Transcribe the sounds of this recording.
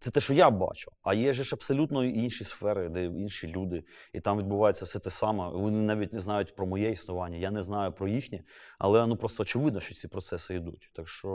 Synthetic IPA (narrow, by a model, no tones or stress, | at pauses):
t̪sɛt̪ɛʃɔjabɑ̰t͡ʃʊ̥ɐjɛʒɛʃɐpsɔlʲut̪nɔʔinʃisfɛɾɪd̪ɛinʃilʲud̪ɪit̪ɑmʋʲid̪bʊʋɑjet͡sʲːɐwsɛt̪ɛsɑmɛʋɔnɪnɑʋʲitʲnɛznɑjʊtʲpɾɔmɔjɛisnʊʋɑnʲːɐjanɛznɑjʊpɾɔjixnʲiɐ̰lˠɛnupɾɔst̪ɔːt͡ʃɪʋɪd̪nɔʃt͡ʃɔt͡sʲipɾɔt̪sɛsɪid̪utʲt̪akʃt͡ʃɔ